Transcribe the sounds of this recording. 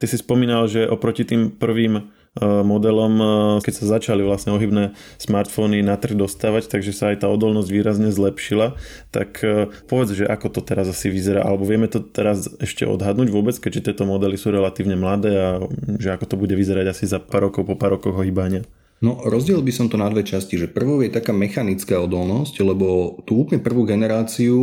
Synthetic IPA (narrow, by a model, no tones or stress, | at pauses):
t̪isispɔmiːnalʒɛʔɔpɾɔcit̪iːmpr̩ʋiːm | mɔd̪ɛlɔmkɛcsazat͡ʃaliʋlasɲɛɔɦibnɛː | smaɾt̪fɔninat̪r̩ɣd̪ɔst̪aːʋact̪aɡʒɛsaːjt̪aːɔd̪ɔlnɔzɟʋiːɾazɲɛzlɛpʃila | t̪a̰kʰpɔʋɛd͡zʒɛʔakɔt̪ɔt̪ɛɾazasiʋizɛɾa̰ːʔa̰lɛbɔʋɪɛmɛt̪ɔt̪ɛɾazɛʃcɛ̰ʔɔ̰d̪ɦad̪nuːɟʋʊɔbɛt͡skɛɟʒɛt̪ɪɛt̪ɔmɔd̪ɛlisuːɾɛlat̪iːʊɲɛmlad̪ɛːaʒɛakɔt̪ɔbuɟɛʋizɛɾaɟasizapaːɾɔkɔʊpɔpaːɾɔkɔɣɦɔɦibaɲɪa | nɔɾɔzɟɛlilbisɔmt̪ɔnad̪ʋɛt͡ʃasciʒɛpr̩ʋɔʊjɛt̪akaːmɛxanit͡skaːɔd̪ɔlnɔsclɛbɔt̪uuːplɲɛpr̩ʋuːɡɛnɛɾaːt͡siu